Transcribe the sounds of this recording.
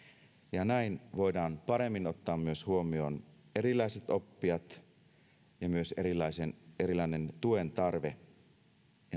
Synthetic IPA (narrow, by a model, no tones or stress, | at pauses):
jɑnæinʋojdɑːnpɑɾe̞mːino̞t̪ːɑːmːyøshuomio̞ːne̞ɾilˑɑise̞t̪o̞pːiɑt̪ | jɑmyø̞seɾilɑisene̞ɾilːˑɑine̞nt̪ue̞nt̪ɑrʋe̞ | jɑ